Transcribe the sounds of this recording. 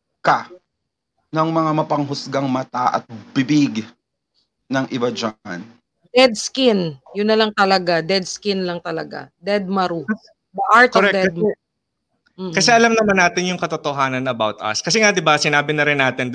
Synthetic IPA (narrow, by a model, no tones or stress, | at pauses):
ka | nɐŋmɐŋamɐpɐŋɦʊsɡaŋmɐt̪aʔɐ̰t̪̚b̥ɪbɪɡ | nɐŋʔɪbɐd͡ʒan | d̪ɛd̪̚skɪnjʊnːɐlɐŋt̪ɐlɐɡad̪ɛd̪̚skɪnlɐŋt̪ɐlɐɡa̰d̪ɛd̪̚mɐɾu | dɐʔaɹt̪kɾɛkd̪ɛd̪̚ | m̩kɐsɛʔɐlamnɐmanːaːt̪ɪnjʊŋkɐt̪ot̪oɦaːnɐnɐɐbawt̪ʔɐ̰skɐs̬ɛŋad̪ɪbasɪnaːbɪnɐɾɪnːaːt̪ɪnd̪